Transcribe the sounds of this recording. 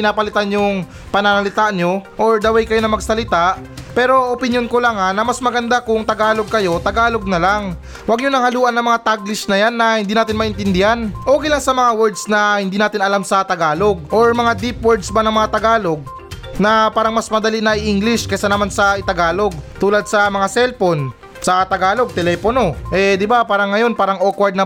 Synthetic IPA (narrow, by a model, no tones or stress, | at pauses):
pɪnaːpɐlɪt̪anjʊŋ | pɐnanɐlɪt̪aʔnjoʔoɹd̪ɐwɛjkɐjo̞nɐmɐɡsɐlɪt̪aʔpɛːɾo̞ʔopɪnjonkolaŋanɐmɐsmɐɡɐnd̪akʊŋt̪ɐɡaːlo̞ɡ̚kɐjo̞t̪ɐɡaːlo̞ɡ̚nɐlaŋ | wɐɡɲʊnɐŋhɐluːʔɐnːɐŋmɐŋat̪aɡlɪʃnɐjanːɐhɪnd̪iːnaːt̪ɪnmɐʔɪnt̪ɪnd̪ɪhanʔoːɡɪlaŋsɐmɐŋawɛɹd̪snɐhɪnd̪iːnaːt̪ɪnɐlamsɐt̪ɐɡaːlo̞ɡ̚ʔo̞ɹmɐŋad̪ipwɛɹd̪sbɐnɐŋmɐŋat̪ɐɡaːlo̞ɡ̚ | nɐpaːɾɐŋmɐsmɐd̪ɐlinɐʔɪʔiŋɡlɪʃkɐsanɐmansɐʔɪt̪ɐɡaːlo̞ɡ̚t̪uːlɐd̪̚sɐmɐŋasɛlpon | sɐt̪ɐɡaːlo̞ɡ̚t̪ɛlɛpono̞ʔɛd̪ɪbapaːɾɐŋːɐjo̞npaːɾɐŋʔokwɐɹd̪nɐ